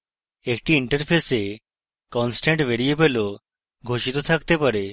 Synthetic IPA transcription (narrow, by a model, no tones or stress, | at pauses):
ekʈiiɳʈəɾpʰese | kɔnsʈeɳʈʋeɾiebelo | ɡʱoʃit̪ot̪ʰakt̪epaɾe